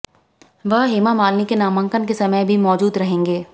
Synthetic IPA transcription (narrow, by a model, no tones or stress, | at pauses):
ʋəɦɦeːmamaːlnikenaːmə̃ŋkənkesɐməjbʱimɔːd͡ʒuːd̪ɾɐɦẽːŋɡeː